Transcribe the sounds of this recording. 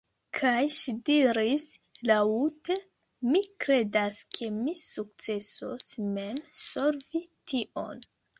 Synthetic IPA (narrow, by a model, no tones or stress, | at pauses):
kʰajʃidiɾislaute | mikɾe̞daskʰe̞misuk̚t͡se̞sosme̞msoɾvitiʔo̞̰n